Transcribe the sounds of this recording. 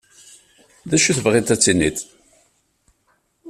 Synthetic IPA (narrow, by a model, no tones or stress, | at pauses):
ðæʃuθvʁɪt̪æt͡sːinːiθ